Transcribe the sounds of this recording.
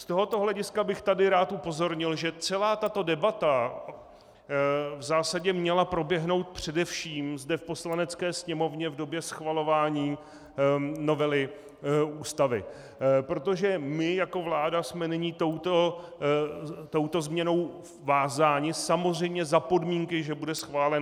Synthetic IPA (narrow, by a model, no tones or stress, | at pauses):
st̪oɦo̞t̪o̞ɦlɛɟɪskabɪxt̪adɪɾaːt̪upo̞zo̞ɾɲɪlʒɛt͡sɛlaːt̪at̪o̞dɛbat̪a | vzaːsaɟɛmɲɛlapɾo̞bjɛɦno̞wt̪̚pr̝̥ɛdɛfʃiːmzdɛfpo̞slanɛt͡skɛːsɲɛmo̞vɲɛvdo̞bjɛsxvalo̞vaːɲiː | no̞vɛlɪ | uːst̪avɪ̰ | pɾot̪o̞ʒɛmɪjako̞vlaːdasmɛnɪɲit̪owt̪o | t̪o̞wt̪o̞zmɲɛno̞w | vaːzaːɲɪsamozr̝ɛjmɲɛzapo̞dmiːŋkɪʒɛbudɛsxvaːlɛn